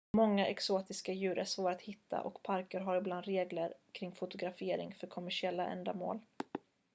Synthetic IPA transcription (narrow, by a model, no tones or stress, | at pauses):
mɔŋːaʔɛksoːt̪ɪskajʉ̟ːɾəsvoːɾat̪hɪt̪ʰːa̰ʔɔ̰kpʰaɾkəɾɦaɾɪbland̪ɾeːɡləɾkʰɾɪŋːfʊt̪ʊɡɾafeːɾɪ̰ŋfœɾkʰɔmæʂɪɛlːa̰ʔɛ̰nd̪a̰mo̰ːl